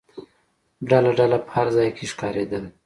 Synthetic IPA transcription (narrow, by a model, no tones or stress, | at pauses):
ɖalaɖalapə̥haɾzɑjkʰeʃkɑɾed̪əl